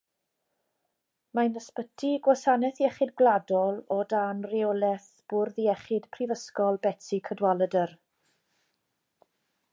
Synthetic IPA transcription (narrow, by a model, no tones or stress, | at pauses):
manəspətʰiɡwasanɛθiɛχɪdɡladɔlˠɔdanriɔlˠɛθ | b̥ʊrðiɛχɪd̥pʰrivəskɔlˠbɛtikʰədwalˠədər